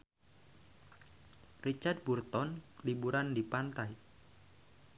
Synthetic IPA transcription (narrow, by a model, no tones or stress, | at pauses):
rit͡ʃard̚burt̪ɔnlibuɾandipant̪aj